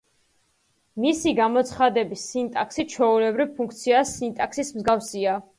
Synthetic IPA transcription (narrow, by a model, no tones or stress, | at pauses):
misiɡamɔt̪sʰχad̪ɛbisːint̪ʼaksit͡ʃʰɔulɛbɾivpʰuŋk̚ʰt̪sʰiasːint̪ʼaksismzɡafsia